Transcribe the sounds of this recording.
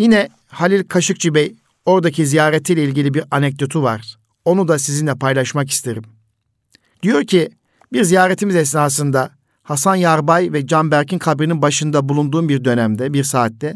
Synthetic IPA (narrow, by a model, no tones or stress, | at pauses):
jinɛ | halʲilʲkʰaʃɯk̚t͡ʃʰibɛj | o̞ɾd̪acʰizijaːɾet̪ʰijlʲɛilʲɟilʲibiɾanɛc̚d̪o̞t̪ʰuva̰ɾ̥ | o̞nud̪asizinlʲɛpʰajlˠaʃmaki̥st̪ʰe̞ɾim | d̪̥ijo̞ɾcʰi | biɾzijaːɾet̪ʰimizɛs̬naːs̬ɯnd̪a | hasanjaɾbajvɛd͡ʒanbæɾcʰinkʰabɾininbaʃɯnd̪abulˠund̪uːmbiɾd̪ø̞næmd̪ɛbiɾsaːt̪ːɛ